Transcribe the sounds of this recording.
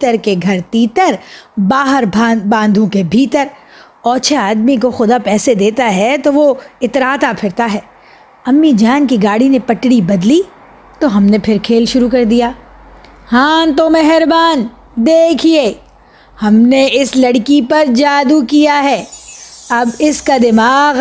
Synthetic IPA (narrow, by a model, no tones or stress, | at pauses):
t̪əɾkeɡʱɐɾt̪iːt̪əɾbaːɦəɾbabãːnd̪ʱũkebʱiːt̪əɾ | ɔːɾt͡ʃʰɛːaːd̪mik̬oxʊd̪apɛːsed̪eːt̪aɦɛt̪oʋoɪt̪ɾaːt̪apʰɪɽt̪aɦɛː | ɐmːid͡ʒaːnkiɡaːɽinepɐʈɽibɐd̪li | t̪oɦɐmnepʰɪɾkʰeːlʃʊɾukɐɾd̪ijaː | hãːt̪omɛɦɾbaːn | d̪eːkʰieː | hɐmneɪslɐɽkipɐɾd͡ʒaːd̪ukijaɦɛː | ɐbɪskad̪ɪmaːɣ